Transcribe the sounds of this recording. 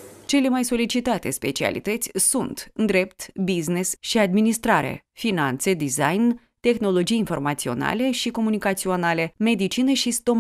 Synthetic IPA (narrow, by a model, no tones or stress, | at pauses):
t͡ʃe̞le̞majso̞lit͡ʃit̪at̪espe̞̰t͡ʃia̰lḭt̪ət̪sʲsunt̪ɨnd̪ɾe̞pt̪biznesʃiad̪minist̪ɾaɾḛfinant̪se̞d̪izajn | t̪e̞xno̞lo̞d͡ʒijinfo̞̰rmat̪sio̞̰na̰le̞ʃiko̞munikat̪sio̞nale̞me̞d̪it͡ʃineʃist̪o̞m